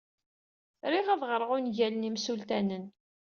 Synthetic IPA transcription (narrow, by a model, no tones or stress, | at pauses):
ɾiʁæðʁəɾˤʁʊnʝælnimsult̪ænən